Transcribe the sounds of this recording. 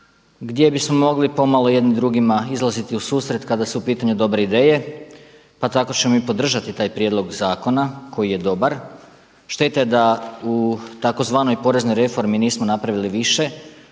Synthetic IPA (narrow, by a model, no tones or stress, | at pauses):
ɡd̪je̞bismo̞mo̞ɡlipo̞malˠo̞je̞d̪nimd̪ɾuɡimaizlˠazit̪iusuːsɾe̞t̪kad̪asuupiːt̪aɲud̪o̞bɾe̞id̪e̞ːje̞ | pat̪ako̞t͡ɕe̞momipo̞d̪r̩ʒat̪it̪aːjpɾjed̪lˠo̞ɡzaːko̞nako̞jije̞d̪o̞baɾ | ʃt̪e̞t̪ajed̪aut̪ako̞zʋaːno̞jpo̞ɾe̞zno̞jɾe̞fo̞ɾminiːsmo̞napɾaʋiliʋiʃe̞